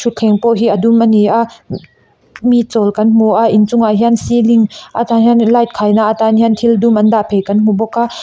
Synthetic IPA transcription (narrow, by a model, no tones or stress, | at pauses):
ʃʰut̪̚kʰɛŋpɔʔɦiːʔədumʔaniʔa | mit̪̚t͡sɔlkɐnm̥uʔaʔint͡sʊŋʔaʔɦiənsiliŋʔat̪anɦinlajt̪̚kʰaːjnaʔat̪anhiənt̪ʰildumʔɐndaʔpʰejkɐnm̥ubɔkːaː